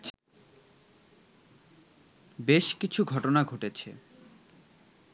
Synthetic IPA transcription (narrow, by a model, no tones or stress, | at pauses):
beʃkit͡ɕʰuɡʱɔʈonaɡʱoʈet͡ɕʰḛ